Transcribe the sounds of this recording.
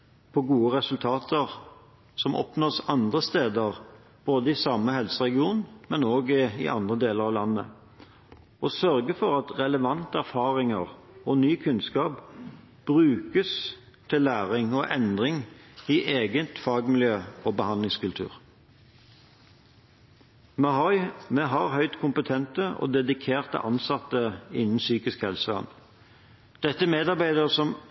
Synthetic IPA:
pʰɔɡuːəʁɛsʉlt̪ʰɑːt̪ʰəʁ | sɔmʔɔ̰pnoːsɑnd̪ʁəst̪eːd̪əʁ | b̥oːd̪əɪsɑmːəhɛlsəʁɛɡɪuːnmɛnoːɡɪ̰ʔɑnd̪ʁəd̪eːləʁɑʋlɑnːə̰ | ʔɔsœʁɡəfɔʁɑt̪ʁɛləʋɑnt̪əæʁfɑːʁɪŋəʁɔnyːkʰʉnskɑːp | b̥ʁʉːkəs | t̪ʰɪlːæːʁɪŋɔʔɛnd̪ʁɪŋiːʔeːɡət̪fɑːɡmɪljøːoːbəhɑnɪŋskʉlt̪ʰʉ̰ːʁ | mɛɦɔʏmɛɦɑʁɦœʏt̪kʰʊmpət̪ʰɛnt̪əɔ̰ːd̪ɛd̪ɪkʰeːʁt̪ə̰ʔɑ̰nsɑt̪əɪnn̩syːkɪskhɛlsəɑ̰n | d̪̥ɛt̪ːəmeːd̪ɑʁbæɪd̪əʁsɔm

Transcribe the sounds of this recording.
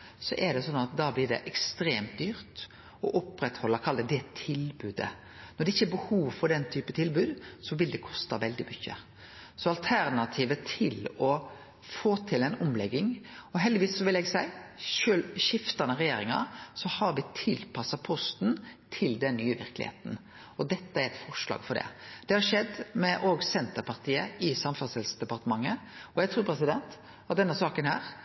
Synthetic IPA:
sɔʔɛɖ̪ɛsɔnɑt̪d̪ɑːblɪɖ̪ɛ̰ʔɛkst̪ɾeːmt̪̚d̪yːɾt̪ | ɔʔɔpɾɛt̪hɔlːɑkʰɑld̪əd̪ɛt̪ʰɪlbʉːd̪ə̰ | nɔɾɖ̪ɛɪçːəbəhuːʋfɔɾd̪ɛnt̪ʰyːpət̪ʰɪlbʉːd̪sɔʋɪld̪ɛkʰɔst̪ɑʋɛld̪ɪmʏçːə̰ | sɔɑlt̪ʰæɾnɑt̪ʰiːʋət̪ʰɪlɔ | foːt̪ʰɪlɛnʊmlɛɡːɪŋ | ɔɦɛld̪ɪʋiːssɔʋɪlɛɡsæɪʃøːlʃɪft̪ɑnəɾɛjeːɾɪŋɑ̰sɔhɑɾʋɪt̪ʰɪlpʰɑsɑpʰɔst̪nt̪ʰɪld̪ɛnːyːəʋɪ̰ɾklɪ̰hḛːt̪n̩ | ɔd̪ɛt̪ːəæɾɛt̪fɔɾʂlɑ̰ːɡfɔɾɖ̪ɛ̰d̪̥ɛhɑɾʂɛd̪mɛʔoːɡsɛnt̪əɾpɑɾt̪ʰiːəɪsɑmfɑsɪlsd̪ɛpɑɾt̪əmɑŋːəɔjæɡt̪ʰɾuːɾpʰɾɛs̬ɪd̪ɛnt̪ | ɑt̪̚d̪ɛnːəsɑːkənhæ̰ːɾ

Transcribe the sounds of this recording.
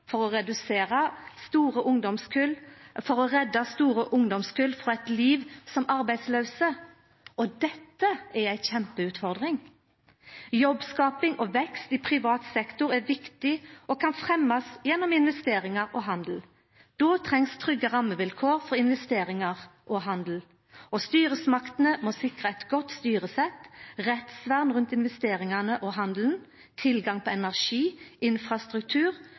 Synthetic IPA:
fɔɾɔɾɛd̪ʉseːʁəst̪uːɾəʔʊŋd̪ɔmskʰʉlfɔɾɔʁɛd̪ːɑst̪uːɾəʔʊŋd̪ɔmskʉlfɾɔɛɪt̪liːʋsɔmɑɾbæɪsløːsə | ʔɔd̪ɛt̪ːəæɾæɪçɛmpəʉːt̪fɔʁd̪ʁɪŋ | jɔbskɑːpɪŋʔɔʋɛkst̪ɪpʰɾɪʋɑːt̪sɛkt̪ʊɾæɾʋɪkt̪ɪɔkʰɑnfɾɛmːɑsjɛnːɔmɪnʋɛst̪eːɾɪŋɑʁɔːɦɑnd̪l̩ | d̪̥oːt̪ʰʁɛŋst̪ʰʁʏɡːəʁɑmːəʋɪlkʰoːʁfɔɾɪnʋɛst̪eːʁɪŋɑʁʔɔɦɑnd̪l̩ | ɔst̪yːɾəsmɑkt̪nəmoːsɪkʁəɛt̪ɡɔt̪st̪yːʁəsɛt̪ːʁɛt̪sʋæʁnʁʉnt̪ɪnʋɛst̪eːʁɪŋɑnəʔɔɦɑnd̪ln̩ | t̪ʰɪlɡɑŋpʰɔɛnæʁʃiːʔɪnfʁɑst̪ʁʉkt̪ʰʉːʁ

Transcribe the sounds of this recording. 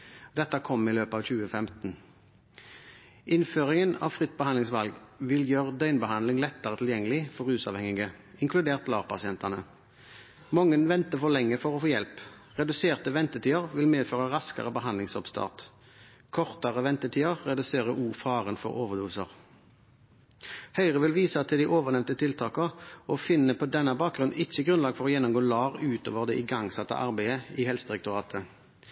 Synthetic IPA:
d̪ɛt̪ːəkʰɔmːiløːpɑːʋçʉːəfɛmt̪n̩ | ʔɪnføːʁɪŋənɑ̰ːʋfʁɪt̪̚ːbəɑnlɪŋsʋɑlɡʋɪljøːʁd̪œʏnbəhɑnlɪŋlɛt̪ːəʁət̪ʰɪljɛŋːəlɪfɔʁʉːsɑ̰ːʋhɛŋɪɡəɪŋkʰlʉd̪eːʁt̪lɑːʁpʰɑsɪɛnt̪ɑnə | mɔŋːənʋɛnt̪əfɔʁlɛŋːəfɔʁɔfoːjɛlp | ʁɛd̪ʉseːʁt̪əʋɛnt̪ət̪ʰiːəʁʋɪlmeːd̪føːʁɑʁɑskɑ̰ʁəbəɦɑnd̪lɪŋsɔpst̪ʰɑ̰ːʁt̪ | kʰɔʁt̪ɑʁəʋɛnt̪ət̪ʰiːəʁʁɛd̪ʉseːʁəʔuːfɑːʁənfɔ̰ʁoːʋəʁd̪uːʋsə̰ʁ | hœʏʁəʋɪlʋiːsɑt̪ʰɪld̪ɪːʔoːʋəʁnɛmnt̪ət̪ʰɪlt̪ʰɑːkəɔfɪnːəpʰɔd̪ɛnːɑbɑːk̚ɡʁʉnn̩ʔɪçːəɡʁʉnlɑːɡfɔʁɔːjɛnːɔmɡoːlɑːʁʉːt̪ʰo̰ːʋəʁd̪ɛʔɪɡɑŋsɑt̪ːə̰ʔɑʁbæɪəihɛlsəd̪ʁɛk̚t̪ʊʁɑːt̪ʰə

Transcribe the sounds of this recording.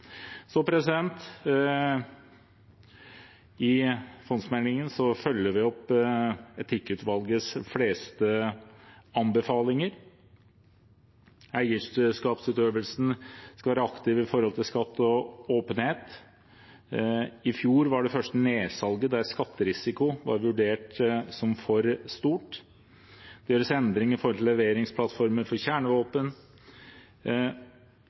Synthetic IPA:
sɔpʰɾɛsɪd̪ɛnt̪ | ɪfɔnsmɛnɪŋənsɔfœlːəʋɪɔpː | ɛt̪ʰɪkːʉt̪ʋɑlɡəsfleːst̪ə | ɑnbəfɑːlɪŋəɾ | æɪəʂɛlskɑːpsʉːt̪øːʋəlsn̩skɑʋæːɾəɑkt̪ɪʋɪfɔɾhɔlt̪ɪlskɑt̪ːɔoːpənheːt̪ | ɪfjuːɾʋɑɖɛfœʂʈəneːsɑlɡəd̪æɾskɑt̪ːəɾɪsɪkʊʋɑ̰ɾʋʉɖeːʈsɔmfɔɾst̪uːʈ | d̪̥ɛjøːɾəsɛnd̪ɾɪŋɪfɔɾhɔlt̪ʰɪlːɛʋeːɾɪŋspʰlɑt̪fɔɾməɾfɔɾçæːɳəʋoːpən

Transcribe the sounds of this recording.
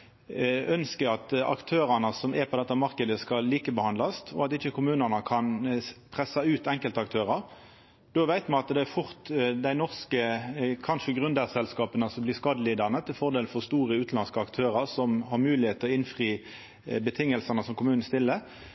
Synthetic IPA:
œnskəɾɑt̪ɑ̰kt̪ʰøːʁɑnəsɔmɛpʰɔd̪ɛt̪ːəmɑɾkəd̪əskɑlːiːkəbəhɑnd̪lɑst̪ʰɔ̰ɑt̪ɪçːəkʰʊmʉːnəʁnəkʰɑnpʰʁɛsɑʉːt̪ɛŋkəlt̪əɑk̚t̪ʰøːʁɑʁ | d̪̥oːʋæɪt̪mɑnɑt̪d̪ɛæfʊʁt̪d̪æɪnɔʁskəkʰɑnʂəɡʁʉnd̪æsɛlskɑːpənəsɔmblɪʁskɑːd̪əliːd̪əʁnət̪ʰɪlfɔʁd̪eːlfɔʁst̪uːʁəʉːt̪nlɑnskəɑkt̪ʰøːɾɑʁsɔmhɑɾmʉːlɪheːt̪ʰːəɔɪnfʁiː | bət̪ʰɪŋːəlsənəsɔmkʰʊmʉːnn̩st̪ɪlːə

